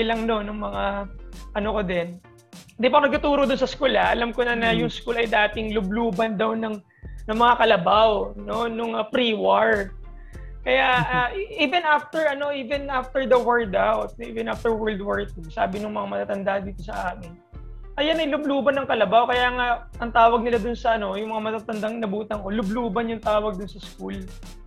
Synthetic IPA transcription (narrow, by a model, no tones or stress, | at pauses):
bɪlɐŋno̞nːʊŋmɐŋaʔɐnokod̪ɛn | d̪ɪpɐnɐɡ̚t̪ɐt̪uːɾod̪ʊnsɐskulɐʔɐlamkonɐnɐjʊŋskuːlɐjd̪aːt̪ɪŋlʊbluːbɐnd̪awnɐŋ | nɐŋmɐŋakɐlɐbawno̞nʊŋɐpɾiːwaɹ | kɐjaʔʔaʔʔivɛnʔaft̪ɛɹʔɐno̞ʔiːvɛnʔaft̪ɛɹd̪ɐwɛɹd̪awt̪̚ʔiːvɛ̃nʔaft̪ɛɹwɛɹld̪waɹt̪̚ɪsaːbɪnʊŋmɐŋamɐt̪aːt̪ɐnd̪aʔɐnd̪iːt̪o̞sɐʔaːkɪn | ʔɐjanɐjlʊbluːbɐnːɐŋkɐlɐbawkɐjaːŋa | ʔɐŋt̪aːwɐɡ̚nɪlad̪ʊnsɐʔɐno̞jʊŋmɐŋamɐt̪aːt̪ɐnd̪aŋnɐbuːt̪ɐŋko̞lʊbluːbɐnjʊŋt̪aːwɐɡ̚d̪ʊnsɐskul